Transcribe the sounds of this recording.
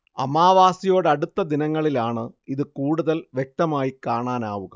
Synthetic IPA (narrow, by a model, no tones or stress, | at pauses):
ɐ̰maːʋaːsijo̞ːɽɐɽut̪ːɐd̪inɐŋːɐɭilaːɳɨiðɨkuːɽuðɐlʋjek̚t̪ɐmaːjikaːɳaːnaːʋuɣɐ